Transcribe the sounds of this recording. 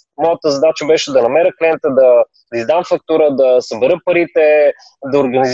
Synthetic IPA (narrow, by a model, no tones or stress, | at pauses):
mɔjət̪əzɐd̪at͡ʃəbɛʃɛd̪ɐnɐmɛɾəkliɛnt̪əd̪ɐ | izd̪amfɐk̚t̪uɾəd̪ɐsɐbɛɾɤpɐɾit̪ɛ | d̪ɐoɾɡɐniz